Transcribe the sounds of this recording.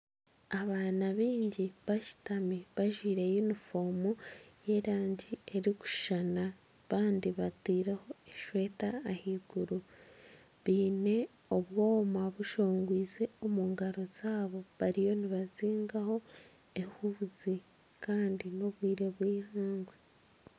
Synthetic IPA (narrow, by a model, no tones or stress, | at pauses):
aβaːnaβiːɲɟiβaʃi̥tamiβaʒwiːɾe̞junifo̞muje̞ɾaːɲɟie̞ɾiku̥ʃana | βaːndiβatiːɾeho̞e̞ʃwe̞ːtaːhiɡ̥uɾu | βiːne̞ | o̞βwo̞ːmaβuʃo̞ːŋɡwiːze̞o̞muːŋɡaɾo̞z̥aːβo̞βaɾijo̞niβaziːŋɡaho̞ | e̞huzi | kaːndino̞βwiːɾe̞βwiːhaːŋɡwe